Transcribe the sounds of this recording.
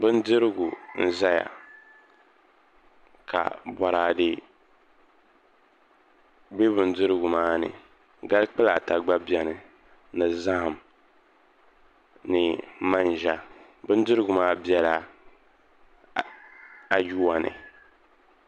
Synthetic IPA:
bɨ˦n˦dɨ˦ɾɨ˦ɡu˨n̩˦za˦ja̰˨ | ka̰˨bɔ˨ɾaː˨dɪ˦ | be˦bɨ˨n˦dɨ˦ɾɨ˦ɡʊ˨maː˦nɨ̰˨ | ɡa˦lk͡pɨ˦la˨ta˨ɡ͡ba˦bjɛ˨nɨ˨ | nɨ˨za˦hm | nɨ˨ma˦n˨ʒa˦ | bɨ˦n˦dɨ˦ɾɨ˦ɡʊ˨maː˦bi˦ɛ˨la˦ | a˨ju˦a˨nɨ̰˨

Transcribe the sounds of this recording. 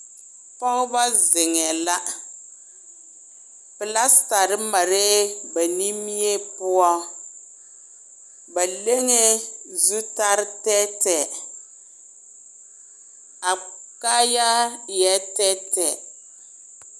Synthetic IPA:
fɔ˦ŋ˦ba˦zɪ˨ŋɛ˨la˦ | pɪ˨la˦sta˨ɾɪ˦ma˨ɾe˦ba˨ni˦mi˦e˦pʊ˦ɔ˦ | ba˨le˦ŋe˦zu˦ta˦ɾɪ˦tɛ˦tɛ˨ | a˨ka˦ja˦jɛ˦tɛ˦tɛ˨

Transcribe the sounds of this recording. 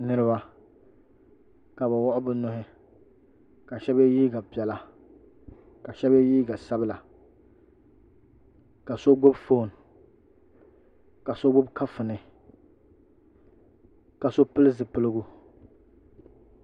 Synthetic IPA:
nɨ˦ɾɨ˦ba˦ | ka˨bɛ˨wɔ˦ʔʊ˦bɨ˦nʊ˦ɦɪ˦ | ka˨ʃɛ˦bɛ˦jiː˦ɡa˨pi˨ɛ˨la˨ | ka˨ʃɛ˦bɛ˦jiː˦ɡa˨sa˦bla˨ | ka˨so˦ɡ͡bo˦bfo˦˨n˨ | ka˨so˦ɡ͡bʊ˦bka˦fɨ˨nɨ˨ | ka˨so˦pɨ˦lɨ˦zɨ˨pɨ˦lɨ˦ɡu˦

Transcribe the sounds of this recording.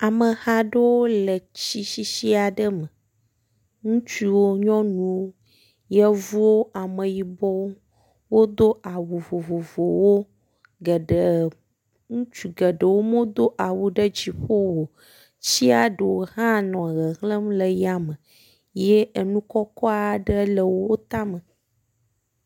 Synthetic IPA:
a˨mə˨hã˦ɖə˦wo˦lə˨t͡ɕi˦ʃi˦ʃi˦a˨ɖə˦mə˨ | ŋũ˦t͡ʃi˦wo˦ɲɔ̃˦nũ˨wo˦ | jɛ˦vu˦wo˦a˨mə˨ji˨bɔ˦wo˦ | wo˦d̪o˦ʔa˨wo˨vo˨vo˨vo˨wo˦ | ɡə˨ɖə˨ | ŋũ˦t͡ʃi˨ɡə˨ɖə˨wo˦mõ˦d̪o˦ʔa˨wu˦ɖə˦d͡ʑi˨ɸo˦wo˨ | t͡ɕi˦a˨ɖə˨wo˨ɦã˦nɔ̃˨ɣə˨ɦlə˦mlə˨ja˨mə˨ | je˦ə˨nũ˦kɔ˦kɔ˦a˨ɖə˦lə˨wwo˦t̪a˦mə˨

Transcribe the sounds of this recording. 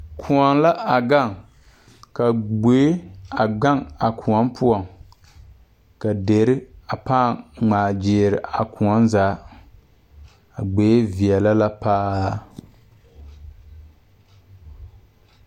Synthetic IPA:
kʰu˨ɔ˨ŋla˦a˨ɡa˦˨ŋ | ka˨ɡ͡be˨˦a˨ɡa˦ŋa˨kʰu˨ɔ˦mpʰʊ˦ɔ˨ŋ | ka˨de˨ɾɪ˦a˨paː˦˨ŋ͡maː˨d͡ʒɪː˨ɾɪ˨a˨ku˨ɔ˦nzaː˨˦ | a˨ɡ͡beː˨˦vi˨ɛ˨la˦la˦paː˦

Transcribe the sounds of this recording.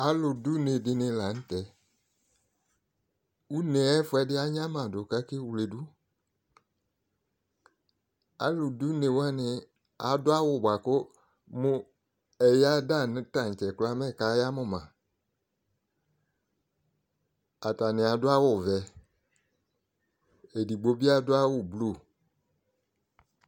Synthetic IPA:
a˨˦lʊ˨du˦ne˨dɪ˧nɪ˧la˨n̩˦tɛ˨ | u˦ne˨˦ɛ˦fɛ˧dɪ˦a˦ɲã˦mã˨dʊ˨ka˦kɪ˦wle˨du˦ | a̰˨lʊ˨du˦ne˨wa˦nɪ˧ | a̰˨dʊ˦a˦wʊ˨bʷa˨kʊ˦ | mʊ˦ | ɛ˨ja˦da˦˨nɪ̃˨˦ta˨n˨t͡ʃɛ˨kla˦mɛ˦˨ka˨˦ja˦mʊ̃˦˨mã˨ | a˨ta˨nɪ̃˨a˨˦dʊ˦a˦wʊ˨vɛ˨ | e˨di˨ɡ͡bo˨bi˦a˦dʊ˦a˦wʊ˦˨blo˨

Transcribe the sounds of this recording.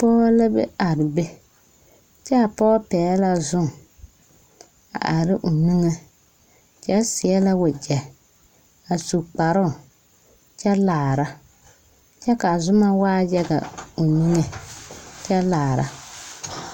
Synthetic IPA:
pɔ˦la˦bɛ̰˦a˨ɾɪ˨be˦ | t͡ʃɛ˦a˨pɔː˦pɛː˨˦la˦zʊ˦ŋ | a̰˨ʔa˨ɾɪ˦ʔo˨ni˦ŋe˦ | t͡ʃɛ˦sɪ˨ɛ˦la˦wʊ˨d͡ʒɛ˨ | a˨su˨k͡pa˨ɾʊ˦˨ | t͡ʃɛ˦laː˨ɾa˦ | t͡ʃɛ˦ka˨zʊ˦ma˦waː˦jɛ˦ɡa̰˨o˨ni˦ŋe˨ | t͡ʃɛ˦laː˨ɾa̰˦

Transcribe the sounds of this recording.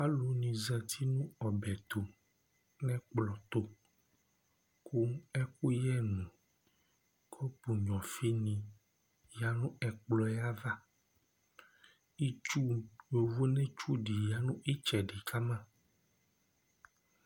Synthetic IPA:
a˦lo˨nĩ˨zɛ˨t̪ʰi˦nũ˦ɔ˨bɛ˨t̪o˨ | nɛ̃˦k͡plɔ˨t̪o˦ | kʰu˦ɛ˦ko˦jɛ˦nũ˨ | kʰɔ˦pu˨ɲɔ̃˨fi˦nĩ˨ | ja˨nũ˦ɛ˨k͡plɔ˦ja˦va˦ | i˦t͡ʃu˦jo˨vo˦nɛ̃˦t͡ʃu˦ɖi˨ja˨nũ˦ʔi˦t͡ʃɛ˨ɖi˨kʰa˦mã˦

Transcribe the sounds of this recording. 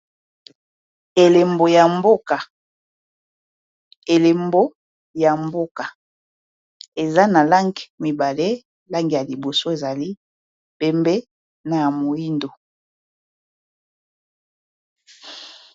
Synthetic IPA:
e˨le˨mbo˨ja˨mbo˦ka˨ | e˨le˨mbo˦ | ja˨mbo˦ka˨ | e˨za˦na˨la˦ŋɡi˨mi˨ba˨le˦ | la˦ŋɡi˨ja˨li˨bo˨so˦e˨za˨li˦ | pe˦mbe˦ | na˨ja˨mo˨i˦ndo˨

